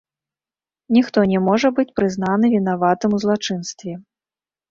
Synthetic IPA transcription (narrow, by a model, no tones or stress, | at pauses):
nʲixt̪ɔnʲɛmɔʐɐbɨt͡sʲpɾɨzn̪anɨvʲin̪avat̪ɨmuzlˠat͡ʂɨn̪st̪vʲɛ